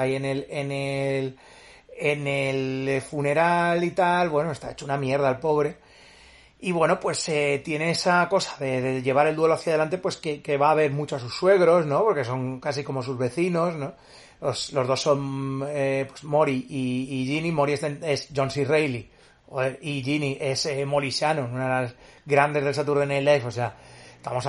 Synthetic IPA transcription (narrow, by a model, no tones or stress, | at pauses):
aje̞ne̞lenel | enelfune̞ɾalit̪alβwe̞no̞e̞st̪a̰e̞t͡ʃounamje̞ɾðaːlpo̞β̞ɾe̞ | iβwe̞no̞pwe̞set̪je̞ne̞esako̞sḁðe̞ðeʝe̞β̞aɾeld̪we̞lo̞aθjað̞e̞lant̪̬e̞pwe̞skeke̞βaːβ̞e̞ɾmut͡ʃoasusːwe̞ɣ̞ɾo̞znõ̞po̞ɾke̞so̞ŋkas̬iko̞mo̞suzβe̞θino̞sno̞ | oslo̞zðo̞sːo̞nepwesmo̞ɾiiːʝinimo̞ɾiesenesʝo̞nsirejli | oeiʝiniʔe̞semo̞lisjanounaðelas | ɡɾand̪e̞zð̞e̞lsat̪uɾðenelefoseat̪amo̞s